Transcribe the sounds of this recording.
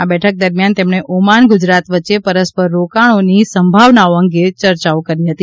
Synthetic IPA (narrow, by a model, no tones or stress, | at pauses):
abɛʈʰək̚d̪əɾmjant̪emɽ̃eʔomaɳɡud͡ʒɾat̪ʋətːʃepəɾəspəɾːokaɽ̃onisəmbʱaʋnaoəŋɡet͡ʃəɾt͡ʃaokəɾiɦət̪i